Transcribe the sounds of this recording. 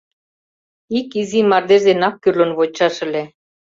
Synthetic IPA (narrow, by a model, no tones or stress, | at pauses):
ikizimɑrd̪eʒd̪enɑkːyrlə̆nβot͡ɕɑʃə̆lʲe